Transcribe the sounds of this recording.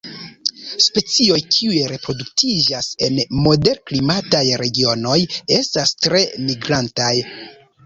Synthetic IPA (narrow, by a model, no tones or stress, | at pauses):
spe̞t͡sio̞jkʰiujeɾe̞pɾo̞duktʰid͡ʒase̞nmo̞de̞ɾklimatajɾe̞ɡio̞no̞je̞stastɾe̞miɡɾantaj